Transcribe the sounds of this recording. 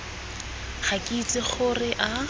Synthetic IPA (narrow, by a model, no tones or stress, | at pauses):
χakʼit͡sʼɪχʊrɪʔa